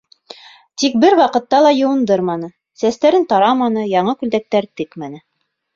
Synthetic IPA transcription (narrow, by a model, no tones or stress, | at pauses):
t̪ik̚bɘɾwɑqɤ̆t̪ːɑlˠɑjɤ̆wɤ̆nd̪ɤɾmɑnɤ | sæst̪æɾɘnt̪ɑɾɑmɑnɤjɑɴɤkʉld̪æk̚t̪æɾt̪ɘkmænɘ